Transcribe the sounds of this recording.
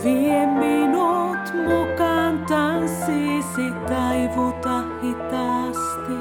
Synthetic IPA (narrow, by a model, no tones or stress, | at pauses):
ʋiemːinut̪ukɑnt̪ɑnsisit̪ɑiʋut̪ɑhit̪ɑst̪i